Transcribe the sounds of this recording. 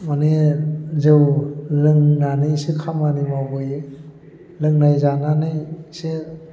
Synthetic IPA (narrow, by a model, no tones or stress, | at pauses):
manezewlɯŋnanɯjsekʰamanimabɯj | lɯŋnajzananɯjse